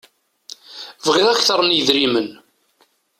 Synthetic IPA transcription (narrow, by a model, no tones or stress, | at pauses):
vʁiʁæçθəɾˤənjðɾimən